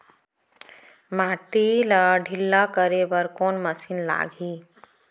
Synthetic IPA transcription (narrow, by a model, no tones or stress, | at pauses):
maːʈiləɖʱilːakəɾebəɾkonməsinla̰ːɡʱi